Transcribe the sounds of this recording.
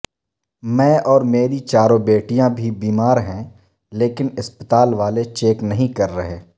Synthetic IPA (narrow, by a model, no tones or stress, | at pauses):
mɛ̃ɔːɾmeːɾit͡ʃaːɾõbeːʈijãbʱibiːmaːɾɦɛ̃ | leːkɪnɪspət̪aːlʋaːlet͡ʃeːknɐɦĩkɐɾːɐɦeː